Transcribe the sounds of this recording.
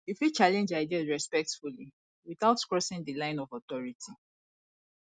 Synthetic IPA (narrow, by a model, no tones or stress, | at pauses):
ifwit͡ʃalɛ̃nd͡ʒaɪdiazɹɛspɛk̚tfuli | wiθaʊtkɹɔsɪ̃ŋdəlãɪ̃nɔvɔtɔɹitʰi